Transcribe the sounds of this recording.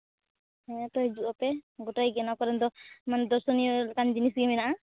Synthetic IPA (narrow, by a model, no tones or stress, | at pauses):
ɛɲat̪ɔɦɛd͡ʒuʔɔpɛɡɔʈajɡɛnakɔɾɛnd̪ɔmand̪ɔɾsɔnijɔlkand͡ʒinisɡɛmɛnaʔa